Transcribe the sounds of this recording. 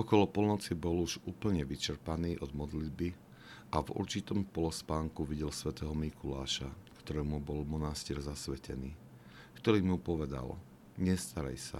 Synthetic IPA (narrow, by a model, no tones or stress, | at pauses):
ɔkɔlɔpɔlnɔt͡sibɔluʒuːpl̩ɲɛʋit͡ʃɛɾpaniːʔɔd̪mɔd̪lid̪bi | ʔavṵɾt͡ʃit̪ɔmpɔlɔspaːŋkuʋiɟɛlsʋɛt̪ɛːɦɔmikulaːʃakt̪ɔɾɛːmubɔlmɔnasciːɾzasʋɛcɛniː | kt̪ɔɾiːmupɔʋɛd̪a̰l | ɲɛst̪aɾa̰jsa̰